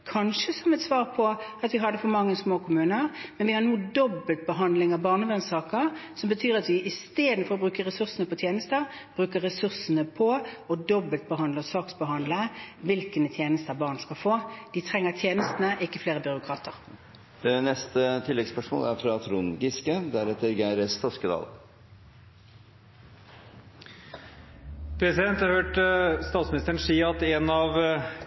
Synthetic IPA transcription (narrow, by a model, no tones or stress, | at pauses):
kʰɑnʃəsɔmɛt̪sʋɑːʁpʰɔɑt̪ʋɪɦɑd̪ːəfɔmɑŋːəsmoːkʰʊmʉːnəʁmɛnʋɪhɑnuːd̪ɔbːəlt̪̚bəɦɑnd̪lɪŋɑʋbɑːʁnəʋɛnsɑːkəʁsɔmbət̪ʰyːɾɑt̪ʋɪʔɪst̪eːd̪n̩fɔɾɔbɾʉːkəʁɛsʉʁsənəpɔt̪ʰjeːnəst̪əʁb̥ɾʉːkəʁɛsʉʁsənəpʰɔɔd̪ɔbəlt̪̚bəɦɑnd̪əsɑːksbəɦɑnd̪ləʋɪlkənət̪ʰjeːnəst̪əbɑːʁnskɑlfoːd̪̥it̪ʰʁɛŋːəʁt̪ʰjeːnəst̪ənəʔɪkːəfleːʁəbʏʁʊkʰʁɑːt̪ʰəʁ | nɛst̪ət̪ʰɪlːɛɡspœʂmo̰ːlæɾfɾɑt̪ʰɾuːnɡɪskəd̪æɾɛt̪əɾɡæɪɾst̪ʰɔskəd̪ɑ̰ːl | pʰɛsɪd̪ɛnt̪hɑɾhøːʈst̪ɑːt̪smɪnɪst̪əɾəɳn̩ʂiːɑt̪ɛnɑʋ